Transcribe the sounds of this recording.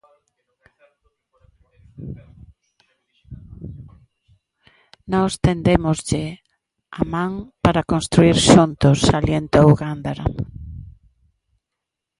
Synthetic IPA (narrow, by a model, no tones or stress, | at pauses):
nɔst̪end̪emʊzʎɪ | amãŋpaɾakõnst̪ɾuiɾʃunt̪ʊsːaljent̪owɣand̪aɾa̰